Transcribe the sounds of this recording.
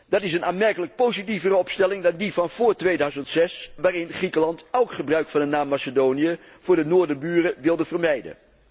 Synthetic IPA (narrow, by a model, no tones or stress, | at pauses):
dɑtɪsənaːnmɛɹkələk̚powzitivərəɔpstɛlɪŋdɑndivɑnv̥ʊːɹtʋejdœɥzəntsɛsʋaːrɪnχrikəlɑntɛlˠkχəbrœɥkfɑnənaːmasədownijə | v̥ʊːɹdənoːɹdənbyːrəʋɪlˠdəvəɹmɛjdə̰n